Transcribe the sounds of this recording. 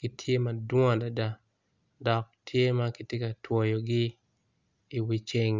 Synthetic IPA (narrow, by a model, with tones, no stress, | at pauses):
kɪ˦tʰje˦ma˨dwɔ̃˦da˨da˦ | dɔ˨k̚tʰje˦ma˦kɪ˦tje˦ka˨two˨jo˨ɡɪ˦ | i˨wi˨t͡ʃɪ˦ŋ